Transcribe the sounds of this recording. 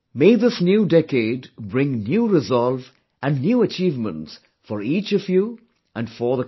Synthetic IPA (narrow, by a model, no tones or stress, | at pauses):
meɪðɪsnjuːdɛkeːdbɾɪ̃ŋnjuːɾɪzɔlv | ʔæ̃nnjuːət͡ʃiːvmə̰̃nts | fɔɾiːt͡ʃʌfju | ʔæ̃nɖfɔðə